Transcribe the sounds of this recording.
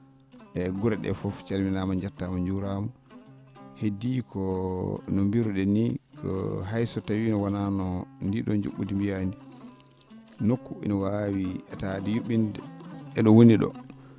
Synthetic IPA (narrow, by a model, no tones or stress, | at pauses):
ʔɛɡuɾaɗɛ̰fɔft͡ʃaɾminaːmaɲd͡ʒatːamaɲd͡ʒuɾama | hedikʰɔnɔmbiɾuɗɛnikɔ̰ɦajsɔtawiːnɔwananɔndiɗɔɲd͡ʒṵɓːudimbijani | nokːuḭnɔwawiɛtadijuɓːindɛɛɗɔwoniɗɔ̰